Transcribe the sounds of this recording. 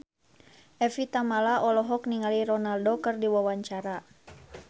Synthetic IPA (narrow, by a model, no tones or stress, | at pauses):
ʔɛfit̪amalaʔɔlɔɦɔkniŋaliɾɔnaldokɨrdiwawaɲt͡ʃaɾa